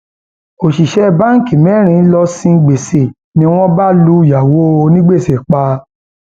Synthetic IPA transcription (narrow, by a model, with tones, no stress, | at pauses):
o˨ʃi˨ʃɛ˦ba˦ŋ̩˦˨ki˨mɛ˨˦ɾ̃ĩ˧˦lɔ˧sĩ˧ɡ͡be˨se˨ | nĩ˦w̃ɔ̃˦ba˦lu˦ja˨wo˨˦˧nĩ˦ɡ͡be˦˨se˨k͡pa˧˦